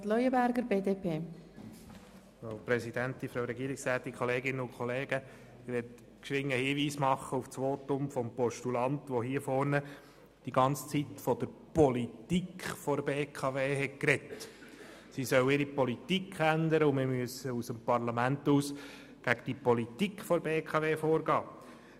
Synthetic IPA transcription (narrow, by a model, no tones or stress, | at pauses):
tlœjəbæɾɡəɾbeːdeːpʰeː | foʊpɾɛsid̥ænt̪infɾɑwɾɛɡiːɾɪksæːt̪ikχɔleːɡɪnːəʊnkʰχɔleːɡ̥ə | ɪʋɛt | kʃʋɪŋːəhiːʋiːsmɑχːəuft͡sʋoːt̪ʊmfɔmpɔʃtulɑntʋɔɦiːəfɔɾnə | d̥iɡɑnt͡st͡sit̪fɔd̥̪əɾpɔlitikfɔɾbeːkʰɑʋeːɦɛt̚kɾɛt̪ | sisœwɪɾipɔlitikʰχænd̪əɾəʊmɪɾmyəsəusəmpɑɾlɑmænt̪uːs | ɡ̥æɡ̥əd̥ipɔlit̪ikχfɔɾbeːkʰɑʋeːfoːɾɡɑː